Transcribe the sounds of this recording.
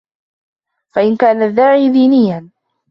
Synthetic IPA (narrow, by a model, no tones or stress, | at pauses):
faʔɪnkaːnaðːaːʕiːd̪iːnɪjːan